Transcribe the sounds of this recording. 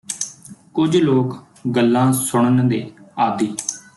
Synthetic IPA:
kʊd͡ʒloːk | ɡəlːãːsʊɳ̃ənd̪eːaːd̪iː

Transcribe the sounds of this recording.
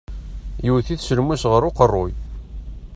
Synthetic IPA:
juwθiθsəlmusʁəɾoqərˤːoj

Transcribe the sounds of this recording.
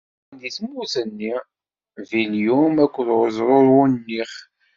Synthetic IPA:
niθmuθənːi | viljumækʷːəlʁəzˤɾˤoɾˤwʊnːiχ

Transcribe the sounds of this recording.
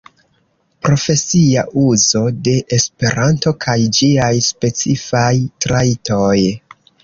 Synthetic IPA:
pɾo̞fe̞siaʔuzo̞de̞ʔespe̞ɾanto̞kʰajd͡ʒiajspe̞t͡sifajtɾaito̞j

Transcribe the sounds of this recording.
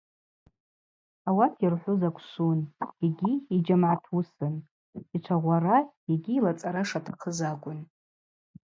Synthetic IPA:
awatʰirħʷʊzakʷʰsuneɡʲiːd͡ʒamʕatʰusɨn | iʈ͡ʂʷʰaʁʷara | eɡʲiːlat͡sʼaɾaʂatʰaqʰəzaɡʷʼʊn

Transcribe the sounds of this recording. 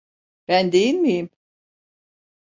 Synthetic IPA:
b̥ænd̪ejinmijim

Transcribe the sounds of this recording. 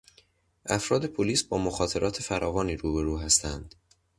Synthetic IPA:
ʔæfɾɒːd̪e̞pʰoliːsbɒːmoxɒːt̪ʰe̞ɾɒːt̪ʰefæɾʔɒːvɒːniːɾuːbe̞ɾuːɦæst̪ʰænd̪̥

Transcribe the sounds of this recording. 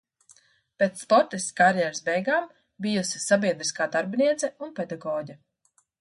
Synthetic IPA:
peːt̪spɔɾt̪ist̪kaɾjɛɾsbɛjɡaːm | bijusisabʲiɛd̪ɾiskaːd̪aɾbniɛt̪sɛunpɛd̪aɡɔːɟʲa

